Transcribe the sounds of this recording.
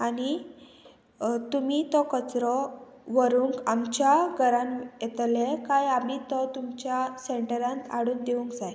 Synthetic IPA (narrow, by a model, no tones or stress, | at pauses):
ani | t̪umit̪ɔkət͡sɾɔ | ʋəɾuŋkamt͡ɕjaɡʱəɾãnjet̪lekajamiːt̪ɔt̪umt͡ɕjaseɳʈəɾãnt̪ʰaɽuːnd̪eʋũŋkd͡zaj